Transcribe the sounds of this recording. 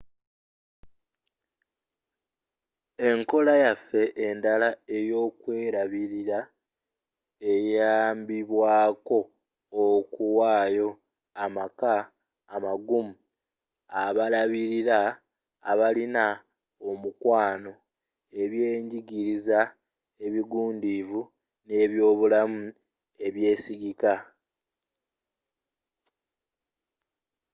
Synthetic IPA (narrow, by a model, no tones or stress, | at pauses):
e̞ŋko̞lajafːe̞ʔendalae̞jo̞ːkwe̞ːɾaβiɾiɾa | e̞jaːmbiβwaːko̞ː | kuwaːjo̞ | amakaː | maɡumu | aβalaβiɾiɾaː | βalina | omukwaːno̞ | e̞βje̞ːɲɟiɡiɾiza | e̞βiɡuːndivu | ne̞βjo̞ːβulamu | e̞βje̞ːsiɡika